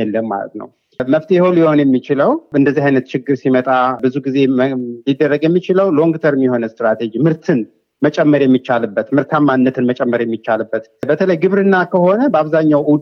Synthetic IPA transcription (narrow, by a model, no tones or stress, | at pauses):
ɛlːəmːa̰lə̰t̪nə̰w | məft̪ʰiho̞ljɪho̞njɛmːit͡ʃɪləwɨnd̪əzːihajnət̪t͡ʃɪɡːɨɾsimət̪ʼabɨzuɡize̞lid̪ːərːəɡjɛmːit͡ʃɪləwloŋɡt̪ʰəɾɨmːiho̞nəst̪ɾat̪ʰed͡ʒimɨɾt̪ʰɨn | mət͡ʃʼɛmːəɾjɛmːit͡ʃːalɨbːət̪mɨɾt̪ʰamːanːət̪ʰɨnmət͡ʃʼɛmːəɾjɛmːit͡ʃːalɨbːət̪bət̪ʰələjɡɨβɾɨnːakʰəho̞nəbəaβzaɲːawʔud̪